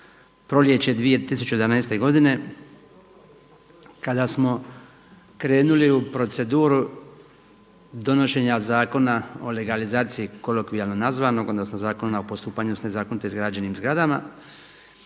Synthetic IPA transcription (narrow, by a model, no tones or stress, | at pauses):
pɾo̞lje̞t͡ɕed̪ʋije̞t̪isut͡ɕed̪anaːst̪e̞ɡo̞d̪ine̞ | kad̪asmo̞ | kɾe̞ːnuliupɾo̞t̪se̞d̪uːɾu | d̪o̞no̞ʃe̞ːɲazaːko̞nao̞le̞ɡalizaːt̪sijiko̞lokʋialnonazʋano̞ɡo̞nd̪asmazaːko̞nnaopost̪uːpaɲusne̞zaːkonit̪oizɡɾad͡ʑeniːmzɡɾad̪ama̰